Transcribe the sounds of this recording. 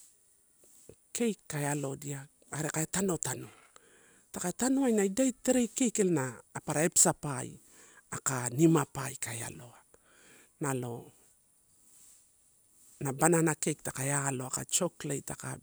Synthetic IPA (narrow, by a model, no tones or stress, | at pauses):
kʰe̞jkːaealo̞dia | aɾe̞kaetano̞tano | takaetanoajnajdajteɾejkejkelnaːpaɾae̞psapaḭ | akanimapajkaea̰lo̞a | nalo̞ | nabananake̞jk̚takaealo̞akat͡ʃo̞klejtaka̰